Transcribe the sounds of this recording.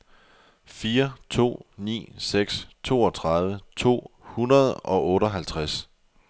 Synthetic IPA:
fiːɐt͡sʰo̝̰ːnḭːseɡ̥st͡sʰo̝ːɒ̽t͡sʰʁɑ̈ðˠʋət͡sʰo̝̰ːhunɐð̞ˠʔɒ̽ʔɔ̽ːɾɒɦælt͡sʰʁas

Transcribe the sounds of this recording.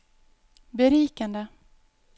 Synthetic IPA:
bɛɾiːkand̪ə

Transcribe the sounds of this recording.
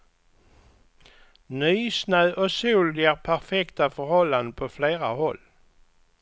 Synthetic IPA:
nyːsnœːʔɔsuːlɪaɾpʰæɾfɛkt̪afœɾhɔlːand̪əpʰɔfleːɾahɔlː

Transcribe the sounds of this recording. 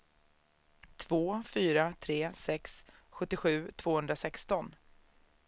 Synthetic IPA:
t̪ʰvoːfyːɾat̪ʰɾeːsɛksɧɵt̪ːɪɧʉ̟ːt̪ʰv̥oːhɵnd̪ɾasɛkst̪ɔn

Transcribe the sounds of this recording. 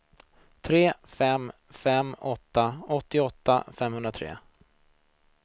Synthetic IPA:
t̪ʰɾeːfɛm | fɛmːɔt̪ːaɔt̪ːɪɔt̪ːa̰fɛmhɵnɾat̪ʰɾḛː

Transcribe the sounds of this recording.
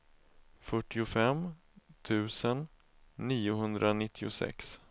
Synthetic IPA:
fœʈːɪʊfɛm | t̪ʰʉ̟ːsənː | iːʊɦɵnd̪ɾʔanɪt̪ʰːɪʊ̰sɛ̰ks

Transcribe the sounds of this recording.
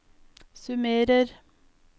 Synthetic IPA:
sʉmeːɾəɾ

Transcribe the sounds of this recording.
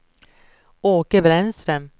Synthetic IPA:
oːkəbɾɛnst̪ɾəm

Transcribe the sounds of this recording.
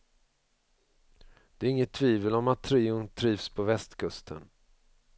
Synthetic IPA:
d̪̥ɛæɾɪŋːət̪ʰːviːvəlɔmat̪ʰːɾiːʊnt̪ʰɾiːvspʰɔvɛst̪kʰɵst̪ʰə̰n

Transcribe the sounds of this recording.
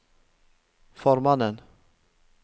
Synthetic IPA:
fɔɾmanən

